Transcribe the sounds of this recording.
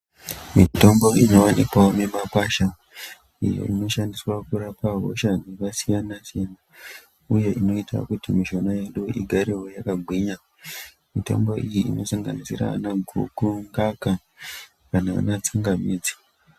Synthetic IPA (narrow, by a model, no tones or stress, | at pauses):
mito̞mbo̞ino̞wanipaomemapaʃa | ḭjo̰ino̞ʃandiswakuɾapaɦo̰ʃanekasijanasijena | uje̞ʔino̞ita̰kutimiʃo̞najeɗuʔiɡʱaɾiɦo̞jakaɡʱwiɲa | mito̞̰mbo̞ʔijiino̞saŋɡa̰nisiɾa̰naɡʱṵkuŋɡaka | kanaa̰nat͡suŋɡamiːd͡zi̥